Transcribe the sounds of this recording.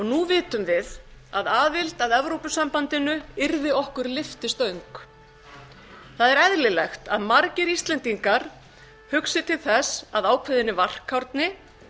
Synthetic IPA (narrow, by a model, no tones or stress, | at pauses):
ɔɣnuvɪːt̪ʏmvɪða̰ðaːvɪlt̪aðɛvɾowpʏsampant̪ɪnʏɪɾðɪɔhkʏɾlɪft̪ɪst̪œɥŋk | θaðɛɾɛðlɪlɛxt̪a̰ðmaɾcɪɾist̪lɛnt̪iŋkaɾ̥ | hʏksɪt̪ʰɪlθɛsaðaːwkʰvɛðɪnːɪvar̥kʰːawɾt̪nɪ